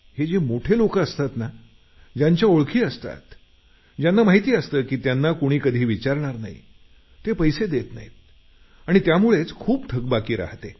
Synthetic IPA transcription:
hed͡ʑemoʈʰelokəəst̪at̪na | d͡ʑaɲt͡ɕjaoɭkʰiːəst̪a̰t̪ | d͡ʑjanːamaɦit̪iːəst̪əːkiːt̪janːakoɽ̃iːkəd̪ʱiːʋit͡ɕaɾɳ̃aɾnaḭ | t̪epəjsed̪et̪na̰ɦi | aɽ̃it̪jamuɭet͡skʰuːpt̪ʰəɡ̚bakiːɾa̰ɦt̪e

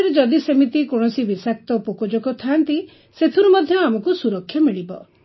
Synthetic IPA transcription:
ɾed͡ʒɔd̪isemit̪ikɔɽ̃ɔsibisak̚t̪ɔpokɔd͡ʒokɔt̪ʰant̪i | set̪ʰuɾumɔd̪ʱjɔamɔkusuɾɔkʰːjɔmiɭibɔ̰

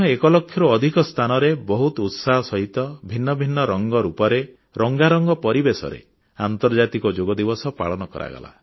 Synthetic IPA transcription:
ɔekɔlɔkʰːjɔɾuɔd̪ʱikɔst̪ʰanɔɾebɔɦut̪ɔut̪saɦɔsɔɦit̪ɔbʱinːɔbʱinːɔɾɔŋɡɔɾupɔɾe | ɾɔŋɡaɾɔŋɡɔpɔɾibesɔ̰ɾḛ | ant̪ɔɾd͡ʒat̪ikɔd͡ʒoɡɔd̪ibɔsɔpa̰ɭɔnɔkɔ̰ɾa̰ɡɔ̰la̰

